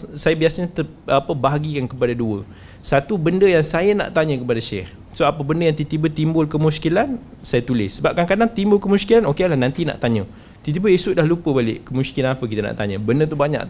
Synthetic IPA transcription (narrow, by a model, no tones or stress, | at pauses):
sajabiasaɲat̪ə | apəbaɦaɡikankəpadaduə | sat̪ubəndəjaŋsajana̰ʔt̪aɲə̃kəpadaʃɛh | soapəbəndəjaŋt̪it̪ibət̪imbʊlkəmũskilan | sajat̪ulɪsəbap̚kaŋkadaŋt̪imbʊlkəmuskilanokelahnãnt̪ina̰ʔt̪aɲə̃ | t̪it̪ibəisʊʔ̚dahlupəbalɪ̰ʔkəmuskilanapək̬it̪ana̰ʔt̪aɲəbəndət̪ubaɲa̰ʔ